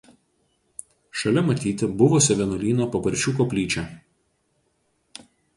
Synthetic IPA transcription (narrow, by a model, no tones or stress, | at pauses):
ʃɐlʲɛmɐt̪ʲiːt̪ʲɪbʊʋosʲɛʋʲɛnɔlʲiːnoːpɐpɐɾʲt͡ʃʲuːkopʲlʲiːt͡ʃʲɛˑ